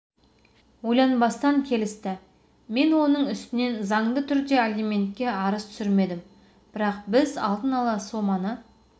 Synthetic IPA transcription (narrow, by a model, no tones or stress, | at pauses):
wojlˠɑnbɑst̪ɑŋkʲʰe̞lɪst̪ɪ | me̞nwo̞nəɴʏst̪ɪne̞nzɑɴd̪ət̪ʰʏɾd̪e̞alʲimʲe̞nt̪̚kʲe̞ɑɾəst̪ʰʏ̥sɪɾme̞d̪ɪm | b̥ɪɾɑq̚bɪzɑ̰lˠd̪ənɑlˠɑso̞mɑnə